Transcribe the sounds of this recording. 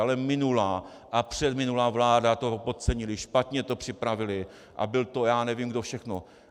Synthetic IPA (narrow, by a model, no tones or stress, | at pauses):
alɛmɪnulaː | ʔapr̥ɛd̪mɪnulaːvlaːdat̪o̞pot̪̚t͡sɛɲɪlɪʃpat̪ɲɛt̪o̞pr̝̥ɪpɾavɪlɪ | ʔa̰bɪlt̪o̞jaːnɛvimɡdofʃɛxno